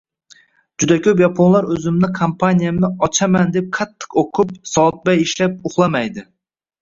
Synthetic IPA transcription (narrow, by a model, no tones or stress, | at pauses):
d͡ʒʊd̪akʲʰɵpjɑpʰonlˠaɾɵzɪmnɪkʰompʰanʲijamnɪɒt͡ʃʰamand̪ep̚qʰɑt̪ʰːɨ̥qoqʰʊp̚sɒt̪̚bajiʃlap̚ʊχlˠɑmajd̪ɪ